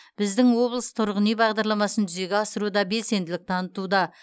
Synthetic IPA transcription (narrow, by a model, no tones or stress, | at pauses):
b̥ɪzd̪ɪŋwo̞blˠəst̪ʰʊɾʁənijbɑʁd̪ɑɾlˠɑmɑsənt̪ʰʏze̞ɡʲeɑsəɾud̪ɑbe̞lse̞nd̪ɪlɪk̚t̪ʰɑnət̪ud̪ɑ